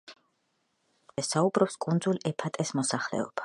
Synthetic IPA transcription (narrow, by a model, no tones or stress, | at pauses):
zɛsaubɾɔpskʼund̪zulɛpʰat̪ʼɛsmɔsaχlɛ̰ɔ̰b̥a